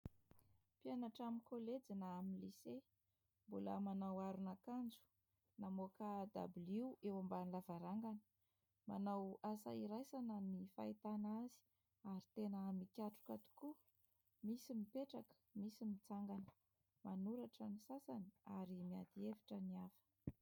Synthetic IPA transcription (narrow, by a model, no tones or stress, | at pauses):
pianaʈ͡ʂaminkoled͡zinaaminlise | mbula̰manawaɾunakand͡zu̥ | namokad̪a̰bliewambanlavaɾaŋɡanə̥ | ma̰nawasa̰iɾajsanənifa̰it̪anazi̥ | aɾit̪enəmikʲaʈ͡ʂu̥kat̪u̥ku | misimipeʈ͡ʂakə̥misimit͡saŋɡanə̥ | manuɾaʈ͡ʂanisasaniaɾimia̰d̪ievi̥ʈ͡ʂəniafə̥